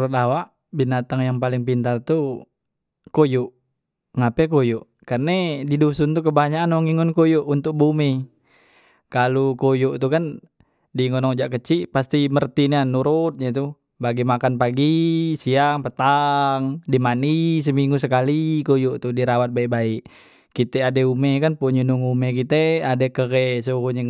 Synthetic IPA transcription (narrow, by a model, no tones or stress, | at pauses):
ɾut̪̚awaʔ | binat̪aŋjaŋpalɪŋpint̪art̪u | kojuʔ | ŋapɛkojuʔ | karnedidusunt̪ukəbaɲaʔːnɔŋiŋɔnkojɔʔunt̪ʊk̚bumi | kalukojuʔt̪ukan | diŋɔnɔŋd͡ʒaʔkət͡ʃiʔpast̪imərt̪inianuɾut̪̚ɲat̪u | baɡimakanpaɡisiaŋpət̪aŋdimanis̬əmiŋɡusəkalikojoʔt̪udiɾawat̪̚baiʔbaiʔ | kit̪ɛadeumekanpuʔɲunuŋumɛkit̪ɛadekəkesokuɲə